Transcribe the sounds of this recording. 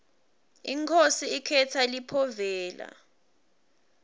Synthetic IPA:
iŋkʰosiikʰɛtʰalipʰɔvɛːla̰

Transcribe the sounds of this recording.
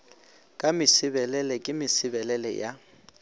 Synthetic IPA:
kʼamɪsɪbɛlɛlɛkʼɪmɪsɪbɛlɛlɛ̰ja

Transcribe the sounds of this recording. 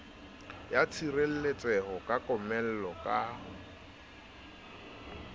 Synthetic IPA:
jat͡sʰirel̩let͡sʼɛhɔkʼakʼɔmɛl̩lɔkʼaːhʊ

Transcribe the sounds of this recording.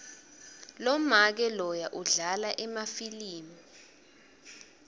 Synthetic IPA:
lɔmak̬ɛlɔjaʔuɮalaʔɛmafiliːmi

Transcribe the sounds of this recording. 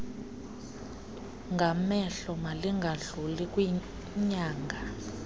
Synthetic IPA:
ŋɡʱamɛɬɔmaliŋɡʱaɮulikʼwi | ɲaːŋɡʱa

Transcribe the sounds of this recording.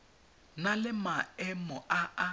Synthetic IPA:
nalɪmaɛmɔʔaa

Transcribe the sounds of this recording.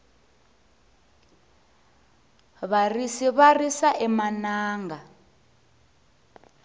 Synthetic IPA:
βarisiβarisaʔɛmanaːŋɡa

